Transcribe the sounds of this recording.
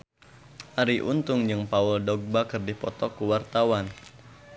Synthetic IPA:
ʔaɾiʔṵnt̪ʊŋd͡ʒɨŋpauldɔɡ̚bakərdipɔt̪ɔkuwart̪awan

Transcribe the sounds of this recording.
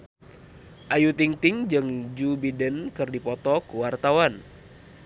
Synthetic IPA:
ʔajut̪iŋt̪ɪŋd͡ʒɨŋd͡ʒubidənkɨrdipɔt̪ɔkuwart̪awan

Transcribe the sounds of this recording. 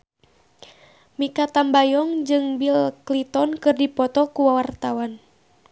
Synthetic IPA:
mikat̪ambajɔŋd͡ʒɨŋbilklit̪ɔnkɨrdipɔt̪ɔkuwawart̪awan

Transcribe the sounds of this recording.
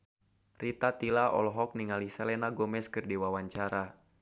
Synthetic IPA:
rit̪at̪ilaʔɔ̰lɔɦɔk̚niŋalisɛlɛnaɡomɛskɨrdiwawaɲt͡ʃaɾa

